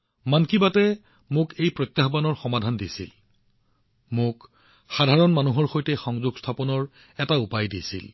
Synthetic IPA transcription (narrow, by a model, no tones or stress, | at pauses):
mankibatɛ | mʊkejpɹɔjt̪jaxbanɔɹxɔmadʱandisḭl | mʊk | xadʱaɹɔnmanuɦɔɹxojtɛxɔŋzuɡstʰapɔnɔɹ | ɛtaupajdisḭl